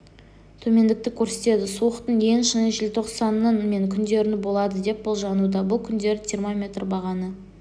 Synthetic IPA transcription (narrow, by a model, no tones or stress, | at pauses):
t̪ʰɵme̞nd̪ɪk̚t̪ɪkʲʰɵɾse̞t̪e̞d̪ɪsuəqt̪əɴje̞ŋʃənəʒɪlt̪ʰo̞qsɑnːənme̞ŋkʲʰʏnd̪e̞ɾɪnɪbo̞lˠɑd̪əd̪e̞p̚bʊlˠʒɑnud̪ɑbʊlˠkʲʰʏnd̪e̞ɾɪt̪ʲʰiɾmomʲe̞t̪rbɑʁɑnə